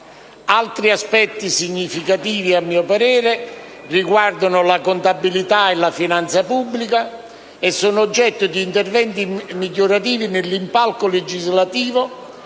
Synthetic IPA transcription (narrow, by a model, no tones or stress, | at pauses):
alt̪ɾiaspɛt̪ːisiɲːifikat̪iːviamːiːʊpaɾɛːɾe | riɡward̪ʊnʊlakʊnt̪abːilit̪aelafinant̪sapubːlika | esːuːnʊːd͡ʒːɛt̪ːʊd̪iːnt̪ervɛnt̪imiʎːoɾat̪iːvinɪlːimpalkoled͡ʒizlat̪iːvʊ